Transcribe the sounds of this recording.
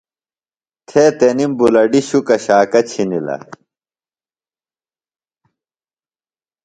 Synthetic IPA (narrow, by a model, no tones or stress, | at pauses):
t̪ʰeːt̪enimbulɐɖiɕukɐɕaːkɐt͡ɕʰinilɐ̰